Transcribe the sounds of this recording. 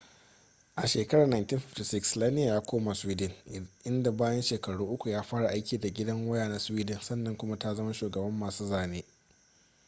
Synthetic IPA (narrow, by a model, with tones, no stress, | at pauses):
ʔa˨ʃeː˨kɐ˦ɽaː˨na˨jnti˦ɸɪ˨fti˨sɪ˦kslaː˦nɪ˦ja˨jaː˦kʷoː˦ma˨swiː˦dɪ˨nʔɪ˦nda˨baː˦jɐ˦nʃeː˨kɐ˨ɽuː˦ʔʊ˦kʷu˨jaː˦ɸaː˦ɽa˨ʔa˦jkʲiː˨da˨ɡʲɪ˦dɐ˦ŋwɐ˦jaː˨na˦swiː˦dɪ˨nsɐ˦nːɐ˨ŋkʷʊ˦ma˦ta˦zɐ˦ma˦ʃuː˨ɡɐ˨bɐ˦mːaː˨suː˦zaː˨neː˦